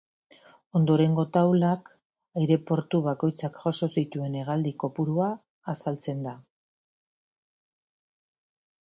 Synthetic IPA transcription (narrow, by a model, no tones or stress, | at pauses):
o̞nd̪o̞ɾe̞ŋɡo̞t̪awlak | ajɾe̞po̞ɾt̪uβako̞jt͡sakʝoso̞sit̪ue̞ne̞ɣ̞ald̪iko̞puɾuaː | salt͡se̞nd̪a